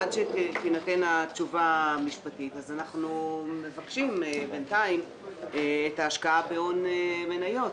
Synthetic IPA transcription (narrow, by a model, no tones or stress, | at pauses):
adʃetinatenat͡ʃuvamiʃpatitazanaχnume̞vakʃimbentaim | etaːʃkaabeonemenajo̞t